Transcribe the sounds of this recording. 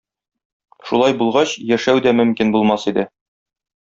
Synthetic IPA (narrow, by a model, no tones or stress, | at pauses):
ʃulˠɑjbulˠʁɑɕjæʃæwd̪æmɵ̆mkinbulˠmɑsid̪ɘ